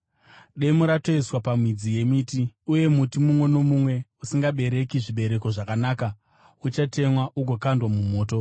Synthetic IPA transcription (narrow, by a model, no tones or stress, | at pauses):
ɗe̞muɾato̞iswapamwid͡zije̞mitiuje̞mutimumwe̞no̞mumwe̞usiŋɡaɓe̞ɾe̞kiʐiɓe̞ɾe̞ko̞ʐakanaːka | ut͡ʃate̞mwaʔuɡʱo̞kandwamumo̞ːto̞